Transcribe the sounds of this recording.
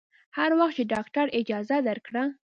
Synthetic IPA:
haɾwaxt̪t͡ʃeɖɑkʈaɾɪd͡ʒɑzad̪əɾkɽa

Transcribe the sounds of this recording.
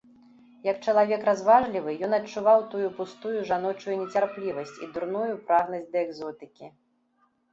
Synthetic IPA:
jɐk̚t͡ʂɐlˠavʲɛkɾazvaʐlʲivɨjɔnɐt͡ʂːuvawt̪ujupust̪ujuʐanɔt͡ʂujunʲɛt͡sʲarplʲivɐsʲt͡sʲid̪urnujupɾaɣnɐzʲd̪ɐɛɡzɔt̪ɨkʲi

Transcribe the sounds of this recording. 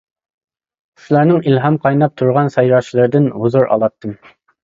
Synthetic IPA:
sɪlæɾnɪŋilɦɑmqʰɑjnɑp̚t̪ʰuɾʁɑnsɑjɾɑt͡ʃʰilˠɨɾd̪ɪnhʊzuɾɑ̰lˠɑt̪ːɨm

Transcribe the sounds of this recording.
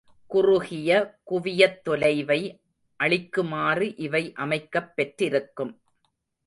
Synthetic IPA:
kʊrʊɣɪjɐkʊʋɪjɐt̪ːɔlɐɪʋɐɪ | ʔɐɭɪkːɯmaːrɯʔɪʋɐɪʔɐmɐɪkːɐpːɛʈrɪɾɯkːɯm

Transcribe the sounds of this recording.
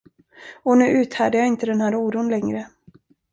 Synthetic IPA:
ɔnʉ̟ːʔʉ̟ːt̪hæːɖəjaɪnt̪əd̪ɛnhæːɾuːɾuːnlɛŋɾə

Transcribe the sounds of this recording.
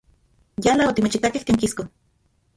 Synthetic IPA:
jalaot̪imet͡ʃit̪akeht̪eːŋkisko

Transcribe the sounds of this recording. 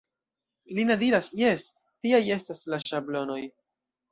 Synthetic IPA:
linadiɾasje̞s | tiaje̞staslaʃablo̞no̞j

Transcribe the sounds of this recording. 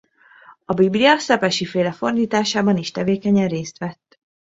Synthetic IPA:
ɒbibliɒsɛpɛʃifeːlɛfo̞rd̪iːt̪aːʃaːbɒniʃt̪ɛveːkɛɲɛreːst̪ʋɛt̪ː

